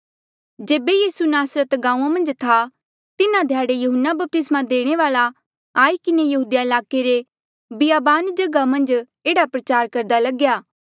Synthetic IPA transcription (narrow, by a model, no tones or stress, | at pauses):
d͡ʒeːbejiːsunaːsɾət̪ɡãːũːãmɐ̃nd͡ʒt̪ʰa | t̪ɪnãd̪ʱjaːɽejɐɦənːabɐp̚t̪ɪsmãd̪eːɽ̃eʋaːla | aːikɪnejɐɦuːd̪jaɪlaːkeɾe | bɪjaːbaːnd͡ʒɐɡamɐ̃nd͡ʒ | eːɽapɾɐt͡ʃaːɾkɐɾd̪alɐɡjaː